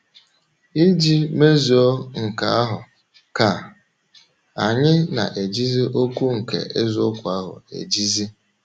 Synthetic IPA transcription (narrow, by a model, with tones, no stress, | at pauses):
i˦d͡ʒi˦me˦zi˨o˦ŋ̩˨ka˨a˦ɦʊ˨ | ka˨ | a˨ɲɪ˦na̰˨ʔe˨d͡ʒi˦zi˦ʔo˦kʷu˦ŋ̩˨kḛ˨ʔe˦zʊ˦kʷʊ˨a˦ɦʊ̰˨ḛ˨d͡ʒi˦zi˦